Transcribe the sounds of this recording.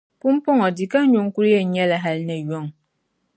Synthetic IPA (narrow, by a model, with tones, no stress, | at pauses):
pu˦m˦pɔ˦ŋɔ˨di˨ka˦ɲo˨ŋku˦ɾjɛ˨ɲɛ˦la˨ɦa˦lna˨jɔ˦ŋ